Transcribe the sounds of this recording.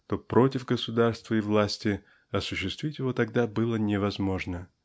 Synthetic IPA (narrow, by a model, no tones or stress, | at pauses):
t̪o̞pɾo̞tʲɪvɡəsʊd̪arst̪vəɪvlˠasʲtʲɪ | ɐsʊɕːɪst̪vʲitʲjɪvo̞t̪ɐɡd̪abɨlˠənʲɪvɐzmo̞ʐnə